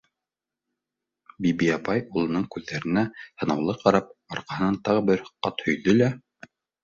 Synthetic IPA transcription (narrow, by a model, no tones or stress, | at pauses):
bibiɑpɑjulˠɤ̆nɤɴkʉðːæɾɘ̆næh̪ɤ̆nɑwlˠɤqɑɾɑp̚ɑɾqɑhɤ̆nɑnt̪ɑʁɤbɘɾqɑt̪hɵ̆jðɵlæ